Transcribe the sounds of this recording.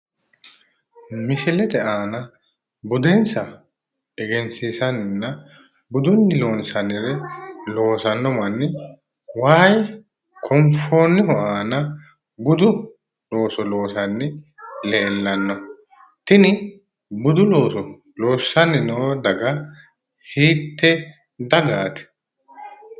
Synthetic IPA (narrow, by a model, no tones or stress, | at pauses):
mɪsɪlɛd̪ɛʔaːnɐ | bʊd̪ɛnsɐ | ɛɡɛnsiːsɐnɪnːɐ | bʊd̪ʊnːɪloːnsɐnɪɾɛlo̞ːsɐnːɔmɐnːɪ | waːj | kʰɔmfoːnːɪhɔʔaːnɐ | bʊd̪ʊ | loːsɔlo̞ːsɐnːɪle̞ːlːɐnːɔ | t̪ɪnɪ | bʊd̪ʊloːsɔ | lo̞ːsːɐnɪnɔwd̪ɐɡɐ | hiːt̪ːɛ | d̪ɐɡaːt̪ɪ̥